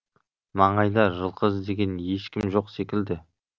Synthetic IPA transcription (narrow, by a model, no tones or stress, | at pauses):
mɑɴɑjd̪ɑʒəlˠqəzd̪e̞ɡʲe̞nje̞ʃkʲɪmʒo̞qse̞kʲɪld̪ɪ